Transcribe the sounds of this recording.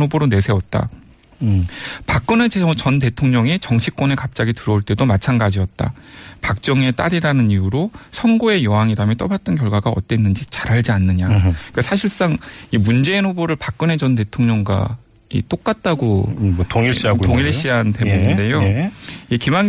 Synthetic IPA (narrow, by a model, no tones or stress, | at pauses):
oboɾone̞sʰe̞wʌt̚t͈a̰ | pak̚k͈ɯnet͡ɕʌnt̬e̞tʰoŋɲʌŋet͡ɕʌŋɕʰik͈̚wʌne̞kap̚t͡ɕ͈aɡitɯɾʌuɭt͈e̞domat͡ɕʰanɡad͡ʑiʌt̚t͈a̰pak̚t͡ɕ͈ʌŋe̞t͈aɾiɾanɯnijuɾosʰʌnɡoe̞jʌɦaŋiɾamjʌnt͈ʌbat̚t͈ʌnk̬jʌɭɡwaɡaʌ̰t͈enːɯnd͡ʑit͡ɕḁɾɦaɭd͡ʑianːɯɲakasʰaɕ̬ʰiɭs͈aŋimund͡ʑe̞inhoboɾɯɭpak̚k͈ɯne̞t͡ɕʌnt̬e̞tʰoŋɲʌŋɡwa̰ | ḭt͈ok̚k͈at̚t͈aɡotoŋiɕatoŋiɭɕɕ͈iɦante̞muɲinde̞jo | ikimaŋ